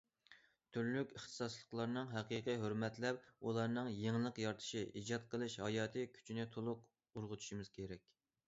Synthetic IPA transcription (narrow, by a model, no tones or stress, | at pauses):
t̪ʰyɾlykʲəχt̪ʰɨ̥sɑslˠəqlˠɑɾnɨŋɦɛqiːqiɦøɾmɛt̪lɛpulˠɑɾnɨŋjeŋlˠəqjɑɾt̪ʰɨ̥ʃiʔid͡ʒɑt̪̚qʰəlˠɨʃhɑjɑːt̪ʰɨkʲʰy̥t͡ʃʰinɪt̪ʰolˠʊq | ʊɾʁʊt̪ʰu̥ʃimɨz̥kʲʰeɾɛkʲ